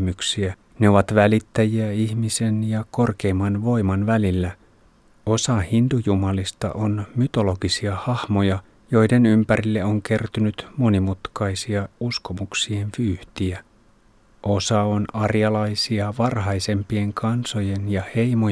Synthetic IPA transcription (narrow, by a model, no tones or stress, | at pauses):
myksiæ | ne̞o̞ʋɑt̪ʋælit̪ːæjiæiçmise̞njɑko̞rke̞jmːɑnʋo̞jmɑnʋælilːæ | osɑhind̪ujumɑlist̪ɑ̰ʔo̞nmyt̪o̞lo̞ɡisiɑhɑhmo̞jɑ | jo̞jde̞nympæɾilːeoŋk̟e̞rt̪ynyt̪mo̞nimut̪kɑjsiɑusko̞muksie̞nʋyːht̪iæ | ʔo̞sɑo̞nɑrjɑlɑjsiɑʋɑrɦɑjse̞mpie̞ŋkʰɑnso̞je̞njɑhe̞jmo